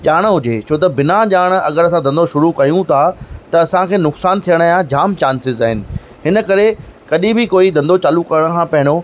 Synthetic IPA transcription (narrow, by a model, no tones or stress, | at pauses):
ʄaːɽ̃ɦʊd͡ʑet͡ɕʰoːt̪̬ɐbɪnaʄaːɽ̃ɐ̰ɡəɾɐsãd̪ɐ̃nd̪oʃʊɾukɐjũt̪ʰat̪ɐɐsãkʰeːnʊksaːnt̪ʰijəɽ̃aːjãd͡ʑaːmt͡ɕaːnsɪzaːɦɪnɪ̆ | ɦɪnə̆kɐɾekɐɗĩbɪkoːid̪ɐ̃nd̪ot͡ɕaːlukɐɾəɽ̃̆kʰãpɐɦɪ̃ɽ̃o